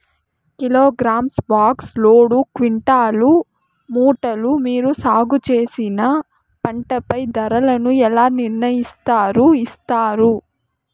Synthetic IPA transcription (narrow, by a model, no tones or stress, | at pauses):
kiloːɡɾaːmsbaːksloːɽukʋiɳʈaːlu | muːʈɐlumiːɾusaːɡut͡ʃe̞ːsinɐ | pɐɳʈɐpɐjd̪ɐɾɐlɐnuɛlaːniɾnɐjist̪aːɾuist̪aːɾu